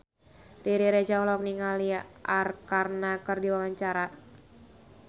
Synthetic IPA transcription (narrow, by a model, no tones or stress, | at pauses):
diɾiɾed͡ʒaɔlɔk̚niŋaliʔarkarnakərdiwawaɲt͡ʃaɾa